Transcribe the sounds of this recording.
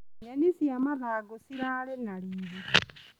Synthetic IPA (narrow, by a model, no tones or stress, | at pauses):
ɲanisiamaðaːɡosiɾaːlenaliːdi